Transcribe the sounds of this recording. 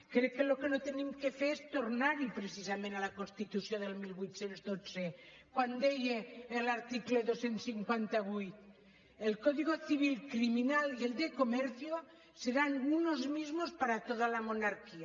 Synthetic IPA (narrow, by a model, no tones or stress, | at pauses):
kɾekelokenot̪enĩmkefeɾest̪oɾnaɾipɾesisamẽnalakonst̪it̪uθjond̪elmilβwit̪θjenzðot͡se | kwand̪ejeːlaɾt̪ikleðosensiŋkwant̪aɣwujt̪ | elkoðiɣ̞oθiβ̞ilkɾiminalield̪ekomeɾθjo | seɾanunozmizmospaɾat̪oðalamonaɾkia